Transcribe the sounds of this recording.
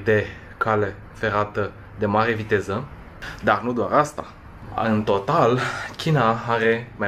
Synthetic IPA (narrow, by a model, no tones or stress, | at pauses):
d̪e̞ | kʰale̞ | fe̞ɾat̪ə | d̪e̞maɾe̞vit̪e̞zə | d̪arnud̪oaɾast̪a̰ | ɨnt̪o̞t̪alkʲinaaɾe̞ma